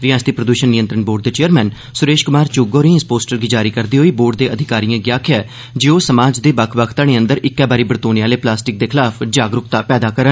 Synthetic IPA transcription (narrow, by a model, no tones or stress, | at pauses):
ɾɪjãːst̪iːpɾəd̪uːʃənːɪjə̃nt̪ɾəɳboːɖ̚d̪eːt͡ʃeːəɾmɛ̃ːn | sʊɾeːʃkʊmaːɾt͡ʃʊɡoːɾĩːɪspoːsʈəɾɡiːd͡ʒaːɾiːkəɾd̪iːɦoːiːboːɾɖd̪eːʔəd̪ʱɪkaːɾijãːɡjaːkʰɪɛː | d͡ʒeːoːsəmaːd͡ʒd̪eːbəkʰʋəkʰt̪aːniːə̃nd̪əɾɪkːɛːbaːɾiːbəɾt̪oːnjaːleːplaːsʈɪk̚d̪eːkʰɪlaːpʰd͡ʒaːɡɾʊkt̪aːpɛːd̪aːkəɾə